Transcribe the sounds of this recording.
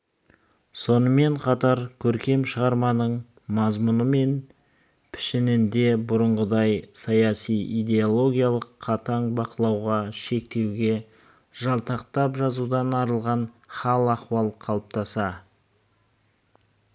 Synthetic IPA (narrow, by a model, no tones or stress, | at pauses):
so̞nəme̞ɴqʰɑt̪ɑɾkʲʰɵɾkʲe̞mʃəʁɑɾmɑnəɴ | mɑzmʊnəme̞n | pʰɪ̥ʃɪnɪnd̪e̞bʊɾəɴʁəd̪ɑjsɑjɑsijijd̪e̞olˠo̞ɡʲijalˠəqʰːɑt̪ɑɴbɑqəlˠɑwʁɑʃe̞k̚t̪e̞wɡʲe̞ | ʒɑlˠt̪ɑq̚t̪ɑpʒɑzud̪ɑnɑɾəlˠʁɑn | χɑlˠɑqwɑlˠqʰɑlˠəp̚t̪ɑsɑ